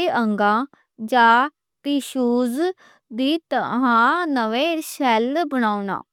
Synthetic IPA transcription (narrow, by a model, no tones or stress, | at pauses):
eʔəŋɡãː | d͡ʒaː | piːʃuːz | d̪iːt̪əɦãːnəʋeːʃɛːlbənaːunã̰ː